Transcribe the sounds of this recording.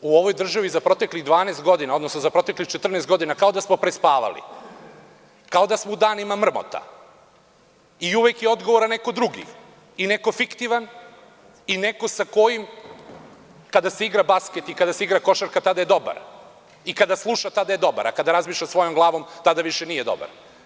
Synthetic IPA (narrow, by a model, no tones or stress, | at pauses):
uo̞ʋo̞jd̪r̩ʒaʋizapɾo̞t̪e̞kliɣd̪ʋaːnest̪̚ɡo̞d̪inao̞d̪nosnozapɾo̞t̪eklixt͡ʃet̪r̩nest̪ɡo̞d̪inakao̞d̪asmo̞pɾespaːʋa̰lḭ | kao̞d̪asmo̞ud̪aːnimamr̩mo̰t̪a̰ | iuʋekjeo̞d̪ɡoʋoɾanːe̞ko̞d̪ɾuɡḭ | ine̞kofikt̪iʋan | ine̞ko̞sako̞jim | kad̪aseiɡɾabaske̞t̪ikad̪aseiɡɾako̞ʃaɾkat̪ad̪aje̞d̪o̞ba̰ɾ | ikad̪aslˠuʃat̪ad̪aje̞d̪o̞ba̰ɾa̰kad̪aɾazmiːʃʎʲasʋo̞jo̞mɡlˠaːʋo̞mt̪ad̪aʋiʃenije̞d̪o̞̰ba̰ɾ